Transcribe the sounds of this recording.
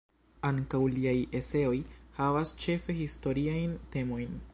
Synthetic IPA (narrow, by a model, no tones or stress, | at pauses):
aŋkawliaje̞se̞o̞jhavast͡ʃe̞fe̞histo̞ɾiajnte̞mo̞jn